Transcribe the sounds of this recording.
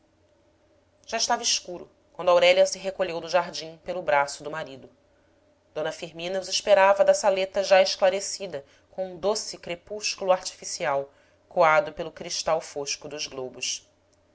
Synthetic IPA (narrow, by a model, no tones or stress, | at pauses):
ʒ̥aiʃt̪avɐɪʃkuɾʊ̰ | kwɐ̃nd̪awɾɛʎɐsɪɦekoʎewd̪ʊʒaɦd͡ʒĩpelʊbɾasʊd̪ʊmaɾid̪ʊ | d̪̥õnɐfiɾmĩnɐuziʃpeɾavɐd̪ɐsalet̪ɐʒaɪʃklaɾesid̪ɐ | kõũd̪osikɾepuʃkulʊaɾt͡ʃi̥fisiaw | koad̪ʊpelʊkɾiʃt̪awfoʃkʊd̪ʊzɡlobʊʃ